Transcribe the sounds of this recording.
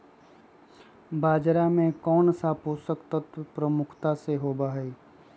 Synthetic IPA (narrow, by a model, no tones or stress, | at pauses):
baːd͡ʒɾamẽkɔːnsapoːsəkt̪ət̪pɾəmʊkʰt̪aseɦoːbaɦɛː